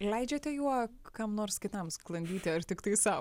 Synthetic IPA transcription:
lʲɛɪd͡ʒʲɛt̪ʲɛjuɔkɐmnoːrskʲɪt̪ɐmsklˠɐnʲd̪ʲiːt̪ʲɪɐrt̪ʲɪkt̪ɐɪsɐʊ

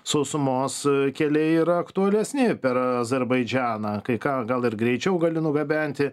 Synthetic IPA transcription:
sʊsʊmoːskʲɛlʲɛɪiːɾɐɐkt̪ʊɐlʲɛsʲnʲɪpʲɛɾɐzʲɛɾbɐɪd͡ʒʲæːnɐkɐɪkɑːɡɐlˠɪrɡɾʲɛɪt͡ʃʲɛʊɡɐlʲɪnʊɡɐbʲænʲt̪ʲɪ

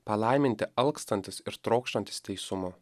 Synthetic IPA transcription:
pɐlˠɐɪmʲɪnʲt̪ʲɪɐlˠkst̪ɐnʲt̪ʲɪsɪɾt̪ɾoːkʃʲt̪ɐnʲt̪ʲɪst̪ʲɛɪsʊmʊ

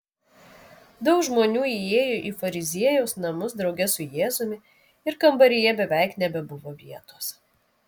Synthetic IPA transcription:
d̪ɒʊkʒmoːnʲuːieːjoʔiːfɐɾʲɪzʲiɛjɛʊsnɐmʊsd̪ɾɒʊɡʲɛsʊjeːzʊmʲɪ | ɪɾkɐmbɐɾʲɪjɛbʲɛʋʲæˑɪknʲɛbʲɛbʊʋoːʋʲiɛt̪oːs

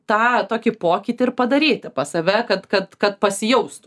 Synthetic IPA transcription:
t̪ɑːt̪oːkʲɪpoːkʲiːt̪ʲɪɪɾpɐd̪ɐɾʲiːt̪ʲɪpɐsɐʋʲɛkɐt̪kɐt̪kɐt̪̚pɐsʲɪjɛʊst̪ʊ

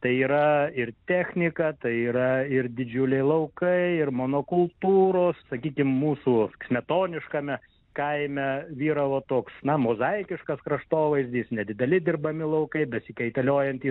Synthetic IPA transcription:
t̪ɐɪiːɾɐɪrt̪ʲæːxʲnʲɪkɐt̪ɐɪiːɾɐɪɾd̪ʲɪd͡ʒʲʊlʲɛɪlˠɐʊkɐɪɪrmoːnokʊlˠt̪uːɾoːssɐkʲiːkʲɪmmuːsuːkʲmʲɛt̪oːnʲɪʃkɐmʲɛ | kɐɪmʲɛʋʲiːɾɐʋot̪oːksnɐmoːzɐɪkʲɪʃkɐskɾɐʃt̪oːʋɐɪzʲd̪ʲiːsnʲɛd̪ʲɪd̪ʲɛlʲɪd̪ʲɪrbɐmʲɪlˠɐʊkɐɪbʲɛsʲɪkʲɛɪt̪ɐlʲoːjɛnt̪iː

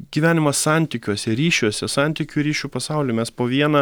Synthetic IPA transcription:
ɡʲiʋʲæːnʲɪmɐssɑˑnʲt̪ʲikʲuɔsʲɛɾʲiːʃʲuɔsʲɛsɑnʲt̪ʲikʲuːɾʲiːʃʲuːpɐsɑʊlʲeːmʲɛspoːʋʲiɛnɐ

